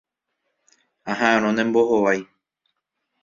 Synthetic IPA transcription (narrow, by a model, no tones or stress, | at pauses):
ãɦãɾ̃õnẽmboɦoʋaj